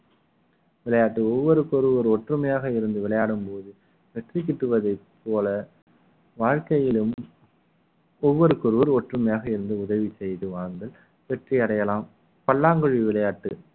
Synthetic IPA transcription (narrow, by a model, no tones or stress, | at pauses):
ʋɪɭɐjaːʈːɯɔʋːɔɾɯkɔɾɯʋɐɾɔʈrɯmɐjaːɣɐɪɾɯnd̪ɯʋɪɭɐjaːɽɯmpoːðɯ | ʋɛʈrikːɪʈrɯʋɐðɐɪpːoːlɐ | ʋaːɻkɐjɪlɯm | ɔʋːɔɾɯkɔɾɯʋɐɾɔʈrɯmɐjaːɣɐɪɾɯnd̪ɯʊðɐʋisɛjðɯʋaːnd̪ɐl | ʋɛʈriɐɽɐjɐlaːm | pɐlːaːŋɡɯɻiʋɪɭɐjaːʈːɯ